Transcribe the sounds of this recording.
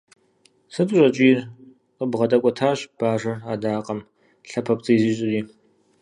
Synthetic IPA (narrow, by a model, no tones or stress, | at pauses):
sɨpʼɕʷʼɐt͡ʃʼiːr | qʼəbʁɐtʼɐkʷʼɔtʰaːɕb̥aːʒʷɐraːdaːqʼɐm | ɬɐpʰɐpt͡sʼɨjziɕʼɪriː